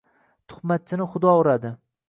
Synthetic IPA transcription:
t̪ʰʊ̥χmat̪̚t͡ʃʰɪnɪχʊd̪ɒʊɾad̪ɪ

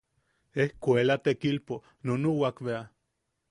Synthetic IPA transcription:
ehkʷelat̪ekilpo | nonuwakβea

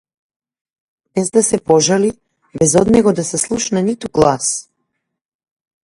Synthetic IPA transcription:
bɛzd̪asɛpɔʒali | bɛzɔd̪nɛɡɔd̪asɛslˠuʃnɛnit̪uɡlˠas

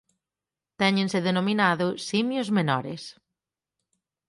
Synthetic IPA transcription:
t̪ɛɲẽnsɪðenominaðʊsimjʊzmenɔɾes

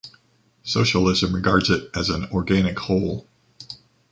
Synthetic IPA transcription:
soʊʃl̩ˠɪzɨ̃mɹɨɡɑɹdzɨɾʔɨz̃n̩ɔɹɡæñɨkhoʊlˠ

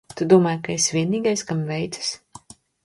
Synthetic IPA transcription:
t̪ud̪uɔmaːjkaesvʲiɛniːɡajskamvʲɛjt̪sɨ̥s

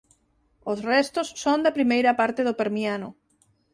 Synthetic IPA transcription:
osrɛst̪osːõnd̪apɾimejɾapaɾt̪eðopeɾmianʊ

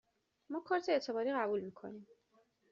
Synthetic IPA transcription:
mɒːkʰɒːɾt̪ʰeːt̪ʰe̞bɒːɾiːɣæbuːlmiːkʰo̞̰nim

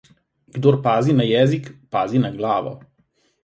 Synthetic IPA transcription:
ɡ̥d̪oːɾpaːzinajɛːzikpaːzinaɡlaːʋɔ̰

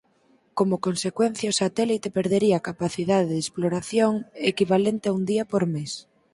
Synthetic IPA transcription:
komokonsekwen̟θjaosat̪ɛlit̪epeɾðeɾiaːkapaθiðaðeðesploɾaθjoŋekiβalent̪ɪaund̪iapoɾmes

